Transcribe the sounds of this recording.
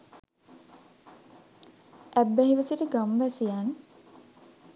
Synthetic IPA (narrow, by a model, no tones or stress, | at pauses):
ʔæbːæɦiʋəsiʈəɡamʋæsijan